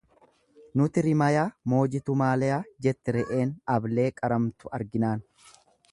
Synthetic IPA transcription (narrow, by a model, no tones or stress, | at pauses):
nʊt̪ɪɾɪmɐjaːmo̞ːd͡ʒɪt̪ʊmaːlɛjaːd͡ʒɛt̪ːɛɾɛʔeːnɐble̞ːkʼɐɾɐmt̪ʊɐɾɡɪnaːn